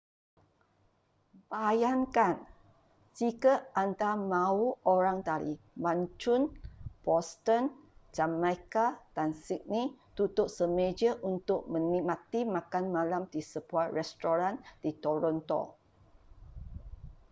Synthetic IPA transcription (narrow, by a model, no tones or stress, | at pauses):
bajaŋkan | d͡ʒikaʔant̪amãuoɾaŋt̪alḭ | baɲt͡ʃʊnbɔst̪ənd͡ʒamajkad̥ansik̚nĩt̪ut̪ʊʔ̚səmed͡ʒəʔunt̪ʊʔ̚mə̃nĩmat̪imãkanmãlamdisəbuarɛst̪oɾandit̪oɾɔnt̪ɔ̰